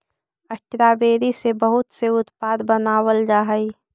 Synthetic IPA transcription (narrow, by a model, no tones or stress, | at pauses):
əʈːɾabeːɾisebəɦʊt̪seʊt̪paːd̪bənaːwəld͡ʒaːɦəi